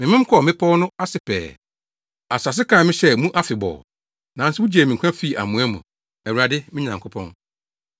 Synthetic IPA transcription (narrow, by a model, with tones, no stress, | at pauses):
mɪ̃˨mɪ̃˦m˦kʰɔ˦˨mɪ̃˦pʰɔ˦nʊ̃˦a˦sɪ˨pʰɛ̰ː˨ | a˨sa˨s̬ɪ˦kʰã˨mɪ̃˦ɕɛ˦mũ˦ʔa˦fɪ˨bɔ̰˨ | nã˨n̩˦sɪ˦wʊ̃˦d͡ʑeː˨mĩ˨ŋ˨kʰã˦fi˦˨a̰˨mũ˨˦æ˦mṵ̃˨ | ɛ˨wu˨ɾa˨dɪ˦mɪ̃˦ɲã˨ŋ˨kʰʊ˦pʰɔ̰̃˦n